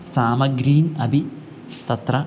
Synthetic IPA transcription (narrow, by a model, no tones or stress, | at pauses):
saːmɐɡɾiːnɐbʱi | t̪ɐt̪rɐ